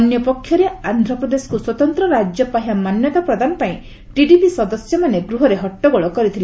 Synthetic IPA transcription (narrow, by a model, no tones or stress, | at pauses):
njɔpɔkʰːjɔɾeand̪ʱɾɔpɾɔd̪esɔ̥kuswɔt̪ɔnt̪ɾɔɾad͡ʒjɔpaɦiwamanjɔt̪apɾɔd̪anɔpaĩ | ʈiɖipisɔd̪ɔsjɔmaneɡɾuɦɔɾeɦɔʈːɔɡoɭɔkɔɾit̪ʰil